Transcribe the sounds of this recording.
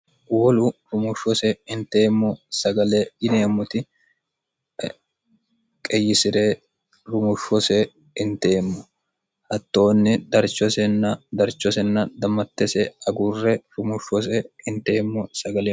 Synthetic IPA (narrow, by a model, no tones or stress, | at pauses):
wɔlʊɾʊmʊʃɔsɛɪnt̪eːmːɔsɐɡɐlɛjɪneːmːʊt̪ɪ | kʼɛjːɪsɪɾeː | ɾʊmʊʃɔsɛ | ɪnt̪e̞ːmːɔ | hɐt̪ːo̞ːnːɪd̪ɐɾt͡ʃːɔsɛnːɐd̪ɐɾt͡ʃːɔsɛnːɐd̪ɐmːɐt̪ːɛsɛɐɡʊrːɛɾʊmʊʃɔs̬ɛɪnt̪e̞ːmːɔsɐɡɐleː